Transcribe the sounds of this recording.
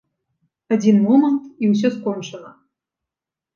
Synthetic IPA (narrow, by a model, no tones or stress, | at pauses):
ɐdʲinmomənt̪iws̬ʲoskonʂənə